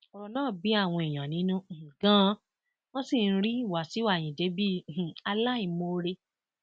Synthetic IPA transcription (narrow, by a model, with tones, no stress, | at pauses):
ɔ˧ɾɔ˧nãː˦˨bi˨˦a˦˨w̃ɔ̃˧i˨j̃ã˨nĩ˨˦nũ˦˨ɡã˦ | wɔ̃˦si˦˨n̩˦ɾi˦i˦˨wa˨si˨˦wa˦˨j̃ĩ˨de˨˦bĩ˦˨˦a˧la˦i˦˨mo˧ɾe˧